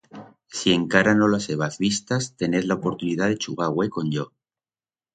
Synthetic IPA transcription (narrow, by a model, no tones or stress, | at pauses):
sie̞ŋkaɾano̞laseβ̞aθβist̪ast̪e̞ne̞ðlaopo̞ɾt̪uniðaðe̞t͡ʃuɣ̞aɣwe̞ko̞nʝo